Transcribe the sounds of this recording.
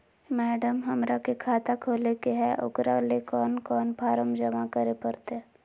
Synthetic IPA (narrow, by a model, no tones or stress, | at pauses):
mɛːɖəmɦəmɾakekʰaːt̪akʰoːlekeɦɛʔʊ̰ɡɾalekɔːnkɔːnpʰaːɾəmd͡ʒəmakəɾepəɾt̪e